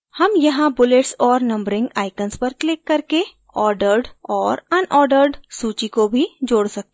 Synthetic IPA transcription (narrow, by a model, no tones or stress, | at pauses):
hɐmjɐɦãbʊleʈsɔːɾnɐ̃mbɾɪ̃ŋɡaːɪkənspɐɾklɪkːɐɾke | ɔːɾɖəɾɖɔːɾɐnʔɔːɾɖəɾɖsuːt͡ʃikobʱid͡ʒoːɽsɐk̚t̪e